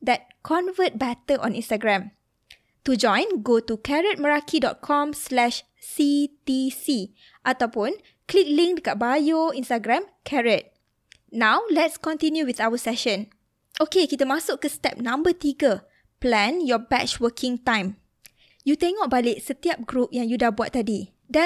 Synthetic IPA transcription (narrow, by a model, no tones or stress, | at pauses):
d̪ɛt̚kʰɔ̃nvət̚bɛtəʔɔ̰̃nĩnstaɡɹɛ̃m | tud͡ʒɔ̃jnɡotukʰɛɹət̚məɹakʰidɔ̰t̚kʰɔ̃mslɛʃ | sit̪isi | ʔat̪awpũn | klik̚lĩŋk̚kaʔ̚bajoĩnstaɡɹɛ̃mkʰɛɹɛt̚ | nãwlɛtskɔ̃nt̪ĩnjuwiθawəsɛʃə̃n | ʔokekit̪əmasʊkkːəstɛ̰p̚nãmbət̪iɡə | plɛ̃njɔbɛ̰t͡ʃwəkʰĩŋt̪ãj̃m | jut̪ɛŋɔʔ̚balɪʔsət̪iap̚ɡɾup̚jãŋjudahbua̰t̪̚ːadi | dɛ̃